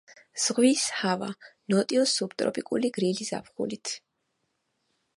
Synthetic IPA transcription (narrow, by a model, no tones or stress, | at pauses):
z̥ʁwishava̰nɔt̪ʼiɔsubt̪ʼɾɔ̰pʼikʼṵliɡɾiliza̰pʰχṵlit̪ʰ